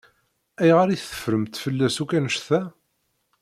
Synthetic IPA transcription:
æjʁaɾiθə̥fɾəmt̪fəlːæsukænəʃθæ

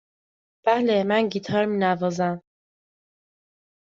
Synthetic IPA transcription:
b̥æhlemænɟiːt̪ʰɒːɾmiːnævɒːzæm

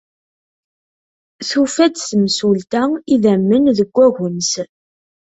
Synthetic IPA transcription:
θufæd̪θəmsult̪æiðæmːənðəɡʷːæʝəns

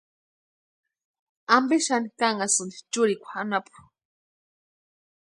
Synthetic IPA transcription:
ambiʃanikaŋasɨnd̪i̥t͡ʃuɾikʷʰaanapʰu̥

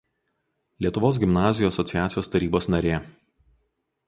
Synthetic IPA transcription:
lʲiɛt̪ʊʋoːs̬ɡʲɪmnɑːzʲɪjoːɐsɔt̪sʲɪjæːt̪sʲɪjoːst̪ɐɾʲiːboːsnɐɾʲeː

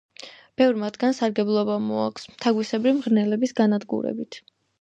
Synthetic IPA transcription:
b̥ɛvɾmat̪ʰɡ̥ansaɾɡɛblˠɔbamɔa̰kʰʷsmt̪ʰaɡwisɛbɾimʁɾnɛlɛbisɡanad̪ɡṵɾɛ̰bit̪ʰ

